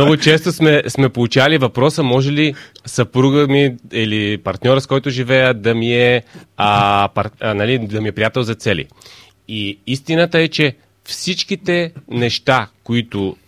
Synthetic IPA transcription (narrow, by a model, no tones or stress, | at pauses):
novʊt͡ʃɛst̪ʊsmɛsmɛpolˠut͡ʃalivɐpɾɔsəmɔʒɛlisɐpɾuɡəmiilipɐɾt̪nʲɔɾəskɔjt̪ʊʒivɛjəd̪ɐmiɛ | pɐnalid̪ɐmiɛpɾijat̪ɛlˠzɐt̪sɛlḭ | iist̪inət̪əɛt͡ʃɛ | fsit͡ʃkit̪ɛnɛʃt̪akoit̪ʊ